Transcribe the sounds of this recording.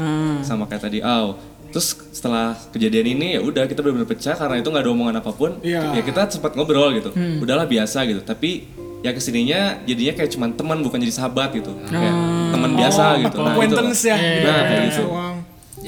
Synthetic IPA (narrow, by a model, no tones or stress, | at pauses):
samakajat̪adiʔaw | t̪ɾʊs | sə̥t̪əlahkəd͡ʒadianinijaʔudahkit̪abəlbənapət͡ʃakaɾənait̪uŋɡadaomoŋanapapʊnjakit̪asəmpat̪̚ŋobəɾɔlɡit̪uudahlahbiasaɡit̪ut̪api | jakəsiniɲad͡ʒadiɲakajat͡ʃumant̪əmənbukand͡ʒadisəɦabat̪̚ɡit̪ujat̪əmənbiasaɡit̪unapint̪ənsjanaanaɡit̪u